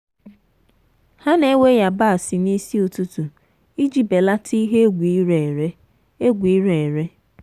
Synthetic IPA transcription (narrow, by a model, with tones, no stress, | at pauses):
ha˦ne˦we˦ja˨ba˦a˨si˨ni˦si˦o˨tu˦tu˨ | i˦d͡ʒi˨be˨la˦tʰi˦ɦe˦ɡʷi˨˦ɾe˨ɾe˦ | e˦ɡʷi˨˦ɾe˨ɾe˦